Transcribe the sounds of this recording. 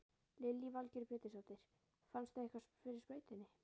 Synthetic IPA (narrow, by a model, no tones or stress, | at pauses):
lɪlːivalcɪɾpɛːt̪ɪsawt̪ejɾ̥ | fanst̪θaehkvasfɪɾɪɾ̥spœːɥt̪ɪnːɪ